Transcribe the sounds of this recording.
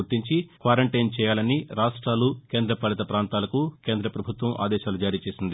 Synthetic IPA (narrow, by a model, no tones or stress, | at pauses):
uɾt̪iɲt͡ʃikʋaːɾɐɳʈɐjnt͡ʃɛːjaːlɐniɾaːʂʈɾaːlukeːnd̪ɾɐpɐlit̪ɐpɾaːnt̪aːlɐkukeːnd̪ɾɐpɾɐbʱut̪ʋɐmʔa̰ːd̪ɛːʃaːlud͡ʒaːɾiːt͡ʃeːsind̪i